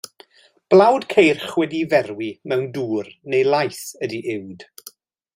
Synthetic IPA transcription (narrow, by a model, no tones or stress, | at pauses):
b̥lˠawd̥kʰejrχwɛdivɛrwimɛwnduːrnejlˠajθədiʔɪwd̥